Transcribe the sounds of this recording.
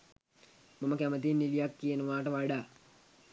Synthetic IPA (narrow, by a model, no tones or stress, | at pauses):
maməkæmət̪̬inːilijakːijənəʋaːʈəʋaɖa